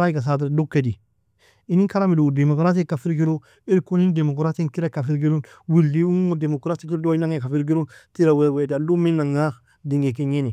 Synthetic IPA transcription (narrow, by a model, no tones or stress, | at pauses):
aiɡas̬at̬iɾdukːedi | inikalamidudemokɾat̬ikafiɾɡiɾo | iɾkunindemokɾatinkiɾakafiɾɡiɾunwilːiuŋodemokɾatikiɾdoinaŋekafiɾɡ̬iɾuntiɾawewedaluminːaŋa | diŋɡekiɲeni